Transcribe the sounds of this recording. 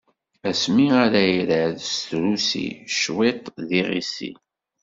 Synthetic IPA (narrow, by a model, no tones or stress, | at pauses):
æsmiaɾæjiɾaðst̪ɾusḭʃwet̪ˤðiʁḭsḭ